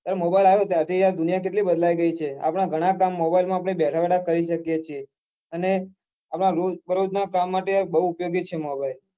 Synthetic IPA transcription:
t̪jaɾemobailaɦot̪jaɾt̪ʰid͡ʒad̪ʊnijakeʈlibəd̪laiɡəit͡ʃʰea̰pɽ̃aɡʱəɽ̃akamːobailmãap̬ɳ̃ebɛʈʰaʋɛʈakəɾiʃəkjet͡ʃʰie | əne | apɳ̃aɾobəɾod͡ʒnakamːaʈebəɦuːpjoɡit͡ʃʰemobail

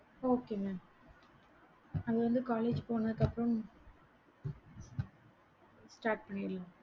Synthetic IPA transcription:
oːkeːmeː | ɐðɯʋɐnd̪ɯkaːleːd͡ʒpoːnɐðɯkːɐpːɾɐm | sʈaːɾʈ̚pɐɳːɪɾɯlãː

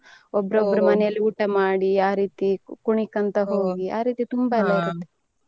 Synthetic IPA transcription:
ɔbːɐɾobːɐɾɐmɐnɛjɐlːiuːʈɐmaːɽiaːɾiːt̪ikuɳikɐnt̪ɐɦo̞ːɡia̰ːɾiːt̪it̪umbɐɛlːɐiɾut̪ːe̥

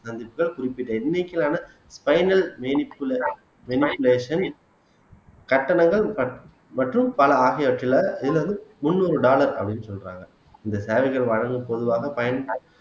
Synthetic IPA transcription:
sɐnd̪ɪpːɯɣɐɭkʊrɪpːɪʈːɐɪnːɛkːɪlaːnɐ | spɐɪnɐlmenɪpl | mɛnɪpːɯleːʂɐn | kɐʈːɐnɐŋɡɐɭɐ | mɐʈrɯmpɐlɐaːɣɐjɐʈːɪlɐɪðɪlʋɐnd̪ɯmʊnːuːɾɯɖaːlɐɾɐ̰pːɐɽɪnːɯsɔlra̰ːŋɡɐɭ | ɪnd̪ɐseːʋɪɣɐɭʋɐɻɐŋɡɯmpɔðɯʋaːɣɐpɐjɐnp

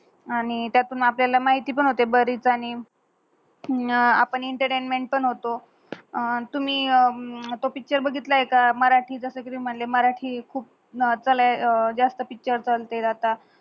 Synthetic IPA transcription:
aɽ̃it̪jat̪uːnapljalamaɦit̪iːp̬əɳɦot̪ebəɾiːt͡saɽ̃i | a̰pəɳiɳʈəɾʈenmeɳʈ̚pəɳɦot̪o | t̪um̤iː | t̪opik̚t͡ɕəɾbəɡʱit̪laɦekaməɾaʈʰiːd͡zəsəːkit̪umm̤əɳleməɾaʈʰiːkʰuːp̚ | t͡səlad͡zast̪əpik̚t͡ɕəɾt͡səlt̪ed͡zat̪a

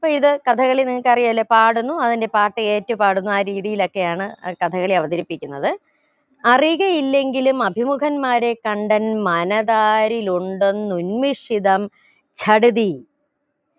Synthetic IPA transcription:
ɐpːoːiðɨkɐt̪ʰɐɣɐɭiniŋːɐkɐrijaːlːepaːɽunːuɐðinde̞paːʈːɨe̞ːtːɐpaːɽunːuaːɾiːðijilo̞kːe̞jaːɳɨkɐt̪ʰɐɣɐɭiɐʋɐðɐɾipːikʲːunːɐðɨ | ɐriɣɐjilːe̞ŋɡilumɐbʱimukʰɐnmaːɾe̞kɐɳɖɐnmɐnɐðaːɾiluɳɖonːunmiʂiðɐm | t͡ɕʰɐɽuði

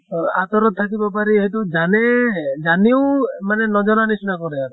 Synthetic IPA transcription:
at̪ɔɾɔt̪ʰːakibapaɾiɦitud͡ʒaned͡ʒaniumanenɔd͡ʒɔɾanisnakɔɾɛaɾ

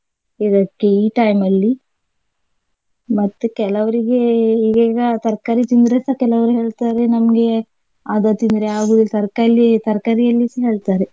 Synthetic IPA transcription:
id̪ɐkːeiːʈɐjmɐlːi | mɐt̪ːukɛlɐʋɐɾiɡeiɡaːɡɐt̪ɐɾkaɾit̪ind̪ɾesɐkɛlɐʋɐɾieːɭt̪aːɾenɐmɐɡe̞ | ad̪ɐt̪ind̪ɾeaːɡuːd̪ilt̪ɐɾkalːit̪ɐɾkɐɾijɐlːisɐɦe̞ːɭt̪aːɾe

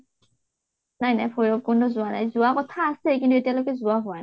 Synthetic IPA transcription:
najnajpʰojɔp̚ɡɔndɔzʊana̰jzʊakɔtʰaːsɛkintuetijalojkɛzʊaɦʊwan

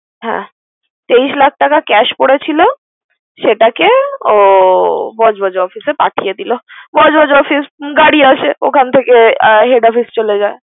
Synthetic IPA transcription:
ɦɛ̰̃ | t̪eiʃlak̚ʰʈakakɛʃpoɽet͡ɕʰilo | ʃeʈakeo | bɔd͡ʑbʱɔd͡ʑɔfisepaʈʰijed̪ilobɔd͡ʑbɔd͡ʑɔfisɡaɽiaʃeokʰant̪ʰekeɦeɖɔfist͡ɕoled͡ʑae

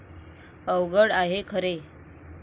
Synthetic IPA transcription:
əwɡəɽaɦekʰəɾe

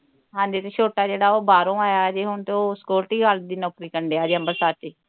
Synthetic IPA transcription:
ɦãːnd̪eːt̪eːt͡ʃʰoːʈaːd͡ʒeːɽaːoːbaːɾõːaːjaːd͡ʒeːɦʊɳt̪eoːskoːɾʈiːɡald̪iːnɔːkɾiːkəɳɖeːaːd͡ʒeəmbəɾsaːt̪iː

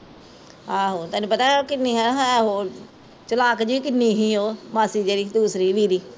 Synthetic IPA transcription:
ɦãːɦoːt̪ɛːnũːpət̪aːkɪnːiːɦãɦɦoː | t͡ʃəlaːkd͡ʒiːkɪnːiːɦiːoːmaːsiːd͡ʒeːɾiːd̪uːsɾiːʋiːɾiː

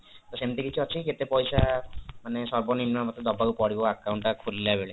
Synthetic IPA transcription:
t̪ɔsemt̪ikit͡ʃʰuɔt͡ʃʰiket̪epɔjsamanesɔɾbɔninːamɔt̪ːɾɔd̪ɔbakupɔɽiboakːawɳʈakʰulːabeɭe

